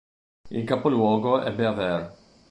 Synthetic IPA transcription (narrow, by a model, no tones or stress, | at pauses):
ḭlkapolwɔːɡoʔɛ̰bːeavɛɾ